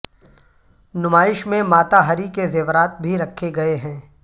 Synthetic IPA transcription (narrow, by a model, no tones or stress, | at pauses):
nʊmaːɪʃmẽmaːt̪aɦɐɾikezeːʋɾaːt̪̚bʱiɾɐkʰːeɡɐeɦɛ̃ː